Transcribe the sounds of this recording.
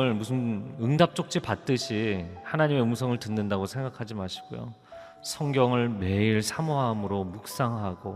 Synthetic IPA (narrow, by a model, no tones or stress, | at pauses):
ɯɭmusʰɯnɯŋdap̚t͡ɕ͈ok̚t͡ɕ͈ipat̚t͈ɯɕʰihanaɲime̞ɯmsʰʌŋɯɭtɯnːɯndaɡosʰe̞ŋɡakʰad͡ʑimaɕʰi̥ɡ̥o̰jo̰ | sʰʌŋɡjʌŋɯɭme̞iɭsʰamoɦamɯɾomuk̚s͈aŋɦaɡo